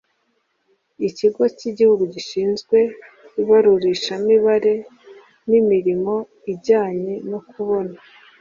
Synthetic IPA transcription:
iciɡociɟihuɡuɟiʃiːnzɡwe̞ | iβaɾuɾiʃamiβaɾe̞ | nimiɾimo̞ | ibɟaːɲe̞no̞kʰuβo̞na

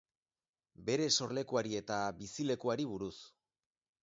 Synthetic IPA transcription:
be̞ɾe̞so̞ɾle̞kuaɾie̞t̪aβisile̞kuaɾiβ̞uɾus

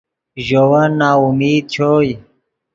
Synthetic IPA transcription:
ʑowanːaːumiːd̪̚t͡ɕʰoːj

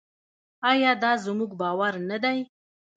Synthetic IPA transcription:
ɑjɑd̪ɑzmuɡbɑwaɾnad̪aj

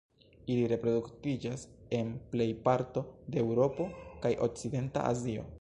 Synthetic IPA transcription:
iliɾe̞pɾo̞duktid͡ʒase̞nple̞jpaɾto̞deewɾo̞po̞kajʔo̞̰k̚t͡side̞nta̰ʔa̰zio̞̰

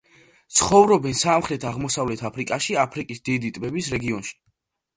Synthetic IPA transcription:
t̪sʰχɔvɾɔbɛnsamχɾɛt̪ʰaʁmɔsavlɛt̪ʰapʰɾikʼaʃiapʰɾikʼisd̪id̪it̪ʼbɛbisɾɛɡiɔnʃi̥

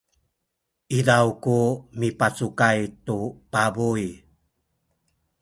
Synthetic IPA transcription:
ʔidawkumipat͡sukajtupabuj

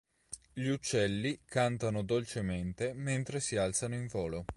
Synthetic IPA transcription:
ʎiut͡ʃːɛlːikant̪anod̪olt͡ʃement̪ement̪ɾesialt̪sanoiɱvoːlo

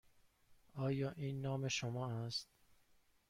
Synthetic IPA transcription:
ɒːjɒːʔiːnːɒːme̞ʃomɒːæst̪̚

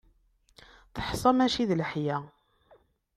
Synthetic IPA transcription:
θə̥ħsˤɑmæʃiðlħjæ

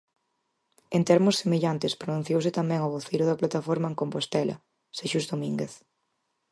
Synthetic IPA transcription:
ent̪ɛɾmʊsemeʎant̪ɪspɾonũn̟θjowsɪt̪amɛ̃ŋʊβoθejɾʊðɐplat̪afɔɾmaeŋkompost̪ɛlɐ̰ | seʃuzðomĩŋɡeθ

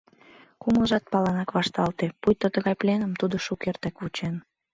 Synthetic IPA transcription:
kuməʒɑt̪̚pɑlɑnɑkβɑʃt̪ɑlt̪epujt̪ːot̪əɣɑjplʲenəmt̪ud̪oʃukert̪ækβut͡ɕen

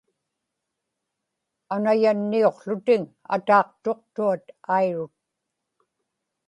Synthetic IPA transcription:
anajanːio̞qɬʊt̪ɪŋ | a̰t̪ɑːqt̪o̞qt̪uat̪ajɻʊt̪̚

